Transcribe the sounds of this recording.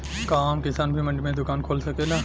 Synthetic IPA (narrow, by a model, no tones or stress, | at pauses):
kaːmkɪsaːnbʱimɐ̃ɳɖmẽd̪ʊkaːnkʰoːlsɐkeːlaː